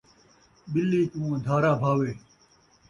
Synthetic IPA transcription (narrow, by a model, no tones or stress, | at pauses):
bɪlːiːkũːə̃d̪ʱaːɾaːbʱaːweː